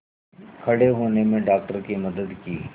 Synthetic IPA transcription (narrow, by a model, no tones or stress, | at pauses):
kʰɐɽeɦoːnemẽɖaːk̚ʈəɾkimɐd̪əd̪kiː